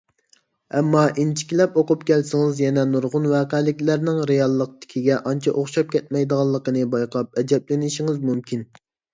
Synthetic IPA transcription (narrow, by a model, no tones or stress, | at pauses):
ɛmːɑʔint͡ʃʰi̥kʲilɛpoqʊpkʲɛlsɪŋɪzjɛnɛnuɾʁʊnwæːqæːlɪkʲlæɾnɪŋɾejɑlˠːəq̚t̪ɪ̥kʲʰiɡʲɛʔɑnt͡ʃʰɑʔoχʃɑp̚kʲʰɛt̪̚mɛjd̪əʁɑlˠːəqənɨbɑjqʰɑp̚ɛd͡ʒɛplɪnɪʃiŋɪzmymkʲʰin